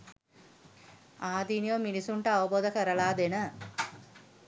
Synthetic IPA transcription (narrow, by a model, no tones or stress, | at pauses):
aːd̪iniʋominisuɳʈəɐʋɐboːd̪ɐkɐɾəlaːd̪enə